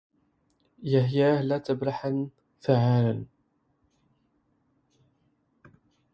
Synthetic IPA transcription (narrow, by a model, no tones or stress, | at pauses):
jaɦjaːhlat̪əbɾaħan | faʕaːlən